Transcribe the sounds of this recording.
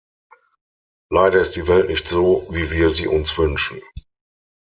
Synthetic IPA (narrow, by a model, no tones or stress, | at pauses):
laɪɾɐɪstd̥iːvɛltnɪçtz̥oːviːviːɐziːʔʊnsv̥ʏnʃn̩